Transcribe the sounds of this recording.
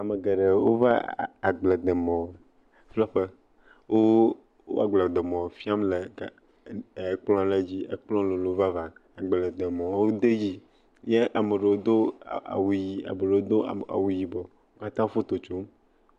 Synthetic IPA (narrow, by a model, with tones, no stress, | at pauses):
a˨me˨ɡe˨ɖe˨wo˦va̰˦˨a˨ɡ͡ble˨d̪e˨mɔ̃˨w | flɔ˦ɸe˦ | wʔo˦ | wo̰˦a˨ɡ͡blɛ˨d̪e˨mɔ̃˨fi˦a˦mle˨˦˨ | k͡plɔ̃˦le˦d͡ʑi˦ḛ˨k͡plɔ̃˦le˨lo˨˦va˦va˨a˨ɡ͡be˨le˨d̪e˨mɔ̃˨˦wo˦d̪e˦ji˦ | ɲe˦ʔa˨me˨ɖe˨wo˦d̪o˦a̰˨wu˨ji˨a̰˨me˨ɖe˨wo˦d̪o˦˨a̰˨wu˨ji˨bɔ˨ | wo˦ka˦t̪ã˦fo˦t̪o˨t͡ʃo˦m